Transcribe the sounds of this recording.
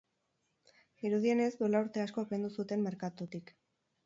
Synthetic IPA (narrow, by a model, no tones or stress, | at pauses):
iɾuðie̞ne̞zd̪uelauɾt̪e̞asko̞pe̞nd̪usut̪e̞mme̞ɾkat̪ut̪ik